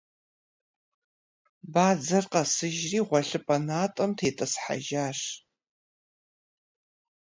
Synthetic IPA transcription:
baːd͡zɐrqɐsɨʒriːʁʷɔɬɨpʼɐnaːtʼɐmtʰeːtʼɐsħa̰ʒaːʂ

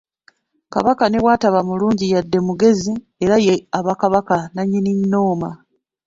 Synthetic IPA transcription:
ka̰βakane̞βwaːtaβamuluːɲɟijadːe̞muɡe̞zi | e̞ɾaje̞aβakaβakanaɲːiniɲːoːma

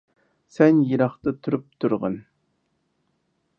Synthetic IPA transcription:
sɛnjiɾɑχt̪ɨt̪ʰyɾyp̚t̪ʰuɾʁə̰n

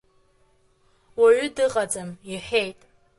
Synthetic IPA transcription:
waɥʊdɨqʼad͡zʼamiħejtʼ

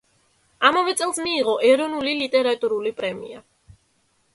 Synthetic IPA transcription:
amavɛt̪sʼɛlˠsmiːʁɔʔɛɾɔnulilit̪ʼɛɾat̪ʼuɾulipʼɾɛmḭa

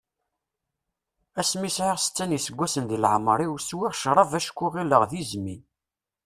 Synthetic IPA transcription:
æsmisʕiʁsə̥t͡sːænisəɡʷːæsənðilʕmɾˤiwswiʁʃɾˤɑvæʃkʷːʊʁilːəʁðizmi

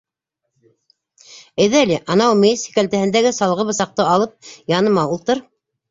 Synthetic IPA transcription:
ɘ̆jðælʲiʔɑnɑwmesi̥kælt̪æhɘ̆nd̪æɡɘsɑlˠʁɤβɤ̆sɑq̚t̪ɤɑlˠɤp̚jɑnɤ̆mɑulˠt̪ɤɾ

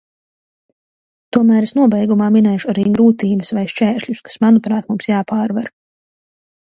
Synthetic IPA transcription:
t̪uɔmæːɾesnuɔbɛjɡumaːminɛjʃuaɾiːɡɾuːt̪iːbəsvajʃt͡ʃɛːɾʃlʎʲuskḁsmanupɾaːt̪mumsjaːpaːɾvaɾ

